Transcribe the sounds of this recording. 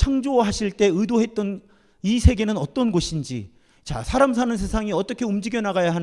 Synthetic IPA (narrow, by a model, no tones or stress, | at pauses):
t͡ɕʰaŋd͡ʑowaɦaɕʰiɭt͈e̞ɯdoɦe̞t̚t͈ʌn | isʰe̞ɡe̞nɯnʌt͈ʌnɡoɕʰind͡ʑḭ | t͡ɕa̰sʰaɾams̬ʰanɯns̬ʰe̞sʰaŋiʌt͈ʌkʰe̞umd͡ʑiɡjʌnaɡajaɦa